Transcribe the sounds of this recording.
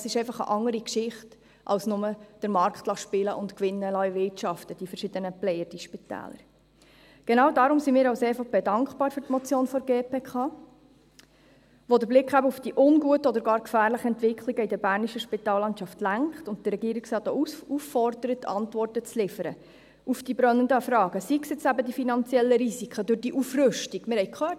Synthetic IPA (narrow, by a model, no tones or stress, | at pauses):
sɪʃɛɪfɑχə̰ʔɑŋːəɾikʃɪχt | ʔɑ̰lsnʊməd̥əɾmɑɾkχtlɑʃpɪləʔʊntkʋɪnːəlœjʋɪtt͡ʃɑftəd̥ifəɾʃɪd̥̪ənəplɛjəɾd̥iʃpitæ̰ːlə̰ɾ | ɡ̥ɛnɑʊdɑːɾʊmsimiːɾɑʊseːfɑχb̥ɛdɑŋkχpɑːɾfʏɾtmɔt͡sjoːnfɔɾɡeːpeːkʰɑː | ʋodəɾblɪkχæbəufd̥iʔʊnɡuətəɔdəɾɡɑːɾkfæːɾləχəɛntvɪkχliɡəidəɾbæːɾniʃəʃpitɑːlːɑntʃɑftlæŋkχtʊnt̚d̥əɾːɛɡiːɾiksɾɑːt̪ouufːɔrd̪əɾətʰːɑ̰ntʋɔrtət͡slɪfəɾə | ʔufd̥ibɾœnːəndəfɾɑːɡ̥əsiksɛt͡sæbədifinɑnt͡sjɛlːəɾisikʰədʊɾd̥iʔufrʏʃtiɡ̥mɪɾhɛɪkʰχœː